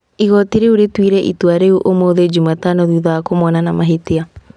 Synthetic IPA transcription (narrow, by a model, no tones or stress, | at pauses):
iɣɔtiɾeuɾetwiɾɛʔḭtwaɾeuʔomoːðed͡ʒumatanoðiːðaakomɔnanamaɦetea